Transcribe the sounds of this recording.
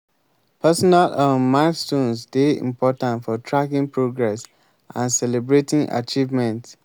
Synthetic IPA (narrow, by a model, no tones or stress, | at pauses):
pɛsɔnalãnmakstũnsdeḭ̃mpʰɔtãntfɔtʰɹakĩŋpɹoɡɹɛs | ʔã̰nsɛlebɹetĩŋʔa̰t͡ʃivmɛ̃nt